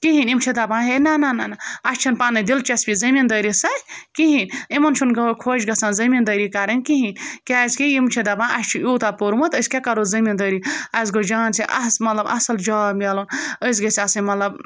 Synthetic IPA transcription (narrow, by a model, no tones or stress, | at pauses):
kiɦinimt͡ʃʰid̪abãːɦenanananaɐʃt͡ʃʰɐnpanɐd̪ilt͡ʃɐsbʲizɐmind̪əjɾisɐkiɦinimɐnt͡ʃʰunɡɐokʰoːd͡ʒɡɐsanzɐmind̪əjɾikaɾɐnʲkiɦinkʲazkiimt͡ʃʰid̪abãːʔɐʃt͡ʃʰiuːt̪apoɾmɐt̪əsʲkʲekɐɾozɐmind̪əɾiɐs̬ɡod͡ʒaːnt͡siʔɐ̰smɐt̪lɐbʔɐ̰sɐld͡ʒaːmʲalonəs̬ɡɐsʲasɐnmɐt̪lɐb